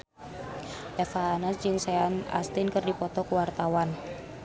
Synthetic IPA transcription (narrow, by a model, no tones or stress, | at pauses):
ʔɛfaːnasd͡ʒɨŋsɛana̰st̪ɪnkɨrdipɔt̪ɔkuwart̪awan